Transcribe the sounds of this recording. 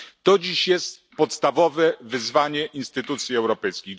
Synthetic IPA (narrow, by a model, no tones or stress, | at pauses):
t̪ɔd͡ʑiɕjɛst̪ | pɔt̪st̪avɔvɛvɘzvaɲɛʔinst̪ɘt̪ut̪sʲjiɛwɾɔpɛjskʲiɣ